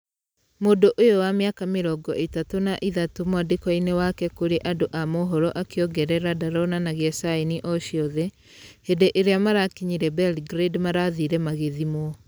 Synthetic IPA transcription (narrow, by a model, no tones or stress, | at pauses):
modoʔojowameakameɾɔɡɔʔetatonaʔiðatomwadekɔinewakɛkoɾeʔadoʔamoɦɔɾɔʔakeɔɡɛɾɛɾadaɾɔnanaɣeɛsainiʔɔʃiɔðɛ | hedeʔeɾeamaɾakiɲiɾɛbɛlɡɾedmaɾaðiɾɛmaɣeðimwɔ